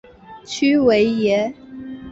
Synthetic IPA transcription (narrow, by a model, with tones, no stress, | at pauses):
t͡ɕʰy˥we˧˥ɪjɛ˨˧˥